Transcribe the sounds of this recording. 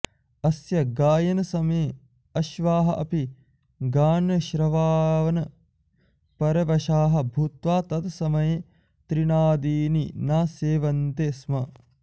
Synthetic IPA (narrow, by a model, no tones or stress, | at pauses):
ɐsjɐɡaːjɐnɐsɐmɐe | ɐʃʋaːɦɐʔɐpi | ɡaːnɐʃɾɐʋaːʋɐnɐ | pɐɾɐʋɐʃaːɦɐ̆bʱut̪ʋaːt̪ɐt̪sɐmɐje | t̪ɾinaːd̪iːninaːseːʋɐnt̪eːsmɐ